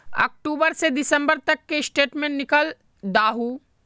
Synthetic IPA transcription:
ɔ̰ːk̚ʈuːbəɾsed̪ɪsə̃mbəɾt̪ɐkːeɪsʈeːʈmẽnːɪkəl | d̪aːɦuː

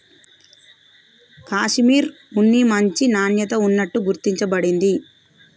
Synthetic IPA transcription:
kaːʂmiːɾ | unːimɐɲt͡ʃinaːnjɐt̪ɐunːɐʈːuɡuɾt̪iɲt͡ʃɐbɐɽind̪i

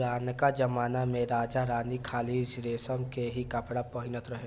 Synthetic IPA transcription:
ɾaːnkad͡ʒɐmaːnamẽɾaːd͡ʒaɾãːnikʰaːliːd͡ʒɾeːsəmkeɦikɐpɽapɔɦɪnət̪ɾɐɦeː

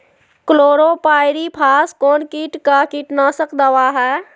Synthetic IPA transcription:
kloːɾoːpaːɪɾipʰaːskoːnkiːʈkakiʈnaːsəkd̪əʋaːɦɛː

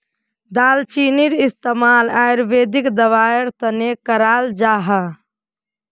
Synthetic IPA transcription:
d̪aːlt͡ʃiniɾist̪emalajɾbed̪ikd̪əʋaəɾt̪ənekəɾald͡ʒaːɦa

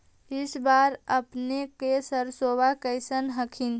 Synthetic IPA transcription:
ɪsbaɾəpnekesəɾsobakəɪsənɦəkʰin

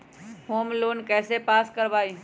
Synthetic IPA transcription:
hoːmloːnkɛːsepaːskəɾbaːi

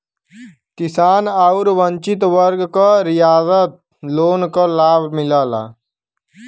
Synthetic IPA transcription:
kɪsaːnaʊɾʋə̃ɲt͡ʃɪt̪ʋəɾɡkaɾijaːzət̪̚ | loːnkolaːbʱmɪlaːla̰ː

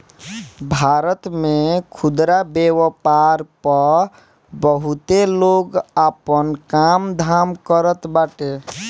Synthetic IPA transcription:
bʱaːɾət̪mẽkʰʊd̪ɾabewəpaɾpəɾ | bəɦut̪eloɡaːpənkamd̪ʱaːmkəɾət̪baːʈe

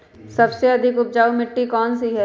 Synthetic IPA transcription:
sɐbseɐd̪ʱɪkʊp̚d͡ʒaːumɪʈːikɔːnsiɦɛ

